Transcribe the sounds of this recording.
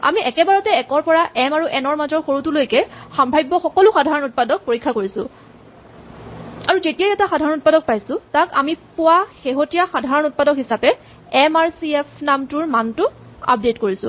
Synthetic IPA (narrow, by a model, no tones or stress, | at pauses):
a̰miɛkɛbaɹɔtɛɛkɔɹpɔɹaʔɛmaɹuʔɛnɔɹmazɔɹxoɹutulojkɛxambʱajbːɔxɔkɔlʊxadʱaɹɔnut̚padɔk̚poɹikʰːakoɹisʊ̰ | aɹuzetijajɛtaxadʱaɹɔnut̚padɔk̚pajsʊtakamipʊwaxeɦotijaxadʱaɹɔnut̚padɔkɦisapɛ | ɛmaɹsiɛpʰnamtʊɹmantʊa̰p̚detkoɹisʊ̰